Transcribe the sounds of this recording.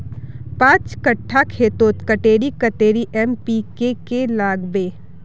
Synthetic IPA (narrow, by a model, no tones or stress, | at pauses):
pãːt͡ʃkəʈʰːakʰeːt̪oːt̪kəʈeːɾikət̪eːɾiʔɛmpikekelaːɡbeː